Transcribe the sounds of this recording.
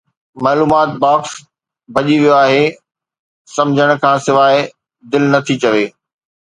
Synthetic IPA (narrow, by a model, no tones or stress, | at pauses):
maːluːmaːt̪̚baːps | bʱɐʄiʋijoaːɦe | sɐ̃md͡ʑʱəɽ̃̆kʰãːsɪʋaːɪ | d̪ɪlnɐt̪ʰit͡ɕɐʋeː